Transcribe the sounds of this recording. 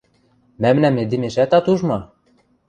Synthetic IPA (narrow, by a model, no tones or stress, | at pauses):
mæmnæmed̪imeʃæt̪ɑt̪uʒmɑ